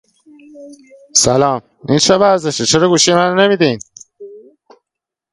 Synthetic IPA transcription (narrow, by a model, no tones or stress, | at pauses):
sælɒːm | int͡ʃʰevæɾzeʃet͡ʃʰeɾɒːɡuːʃijemænnemid̪in